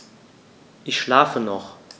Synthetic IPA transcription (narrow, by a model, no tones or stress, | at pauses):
ʔɪçʃlaːfənɔχ